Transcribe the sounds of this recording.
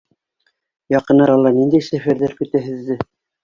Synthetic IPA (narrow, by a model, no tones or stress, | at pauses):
jɑqɤ̆nːɑɾɑlˠːɑnind̪æjsæfæɾðæɾkɵ̆t̪æɦɘ̆ðːɘ